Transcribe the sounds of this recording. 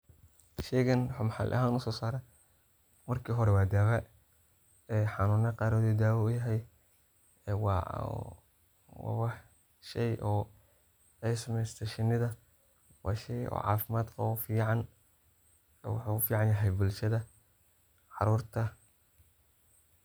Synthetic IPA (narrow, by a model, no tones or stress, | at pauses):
ʃɛɣɐnħʊmħɑ̰lʔɐ̰ɦaːnʊsɔːsaːɾɛ | mɐrkʰiːɦɔɾɛwaːd̪aːβɐ | ɛːħɑnuːnɛqɑːɾɔːðud̪aːwɐʊjɐɦɛj | w | wɑ̰wɑħ | ʃɛjʔɔː | ɛsɐmɛjst̪ʰɐʃɪnɪðɐ | wɑːʃɛjɔ̰ːʕɑ̰ːfɪmaːd̪kʰɐʊfiːʕɑn | wʊ̰ħuʊfiːʕɑnjɐɦɛjbʊlʃɐðɐ | ʕɑɾuːrt̪ʰɐ